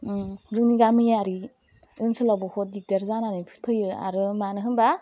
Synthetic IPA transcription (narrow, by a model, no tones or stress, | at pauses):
ɾɯkniɡamɯjaɾi | ɯnsɯlabɔhɔt̚dik̚dɐɾzananɯpʰɯ̥t̚pʰɯjɯa̰ɾɯmanɯɦɯnba